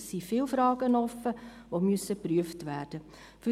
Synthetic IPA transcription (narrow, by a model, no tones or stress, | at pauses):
ssifɪːlfɾɑːɡ̥ənɔfə | ʋomyəsəpɾyəftʋæːɾd̥ə | fy